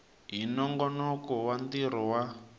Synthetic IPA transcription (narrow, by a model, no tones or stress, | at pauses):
ɦinɔŋɡɔnɔkɔwand̪iɾɔwa